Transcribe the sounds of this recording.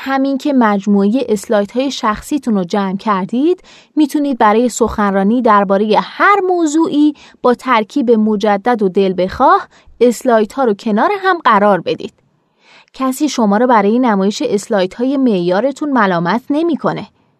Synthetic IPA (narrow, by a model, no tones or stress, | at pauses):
hæmincʰe̞mæd͡ʒmuːeje̞ʔeslɒːjt̪ʰhɒːje̞ʃæxsiːt̪ʰunod͡ʒæmcʰæɾd̪iːd̪̥ | miːt̪ʰuniːd̪̚bæɾɒːje̞so̞xænrɒːniːd̪æɾbɒːɾe̞je̞hæɾmoːzuːʔiː | b̥ɒːt̪ʰæɾcʰiːbe̞mod͡ʒæd̪ːæd̪od̪e̞lbe̞xɒːh | eslɒːjt̪hɒːɾocʰe̞nɒːɾeɦæmɢæɾɒːɾbe̞d̪ḭːd̪̥ | cʰæsiːʃo̞mɒːɾɔːbæɾɒːjenæmɒːje̞ʃe̞ʔeslɒːjt̪ʰhɒːje̞me̞ʔjɒːɾe̞t̪ʰunmælɒːmæt̪ʰne̞miːkʰo̞ne̞